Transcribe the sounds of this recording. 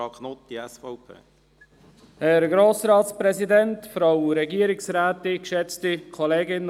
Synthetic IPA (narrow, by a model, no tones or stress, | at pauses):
ɑknotd̪̥iɛsfɔʊpʰḛː | hɛɾɡɾoːsɾɑːtspɾɛzidɛntfɾawuɾɛɡiːəɾɪksɾæːtɪkʃɛt͡stikʰɔleːɡɪn